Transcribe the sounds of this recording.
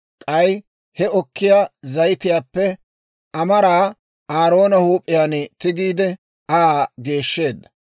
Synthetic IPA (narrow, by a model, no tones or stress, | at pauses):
kʼɐj | hɛɔkːɪjaːzɐjt̪ɪjaːpːɛ | ʔɐmɐɾaː | aːɾo̞ːnɐhuːpʼːɪjaːnt̪ɪɡiːd̪ɛ | ʔaːɡe̞ːʃːe̞ːd̪ːɐ̥